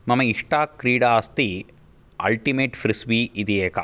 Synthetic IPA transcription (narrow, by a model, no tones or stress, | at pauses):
mɐmɐiʂʈaːkɾiːɽaːst̪i | ɐ̰lʈimeːʈfɾisʋiːʔid̪ieːkɐ